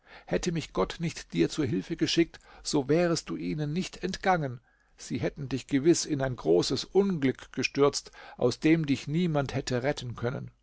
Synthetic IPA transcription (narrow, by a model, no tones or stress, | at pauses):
hɛtəmɪçɡ̥ɔtnɪçtd̥iːɐt͡suːɐɦɪlfəɡəʃɪk̚tz̥oːvɛːʁ̞əstd̥uːʔiːnənːɪçtɛntɡ̥aŋən | z̥iːɦɛtn̩dɪçɡ̥əvɪsɪnaɪnɡʁoːsəsʔʊnɡlʏkɡ̥əʃtʏɐt͡stʔaʊsd̥eːmdɪçniːmanthɛtʰəʁɛtʰn̩kʰœnə̰n